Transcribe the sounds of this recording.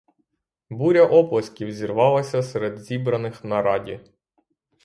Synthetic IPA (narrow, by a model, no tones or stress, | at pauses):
buɾʲɐʔɔplˠɐsʲkʲiwzʲirʋɑlˠɐsʲɐseɾɛd̪zʲibɾɐnɪxnɐɾɑdʲḭ